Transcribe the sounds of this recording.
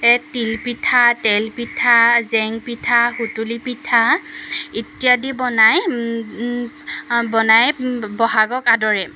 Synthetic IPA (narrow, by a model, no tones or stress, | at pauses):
ɛtilpitʰatɛlpitʰazɛŋpitʰahutulipitʰa | itijadibɔnaj | bɔnajbɔɦaɡɔkadɔɹɛ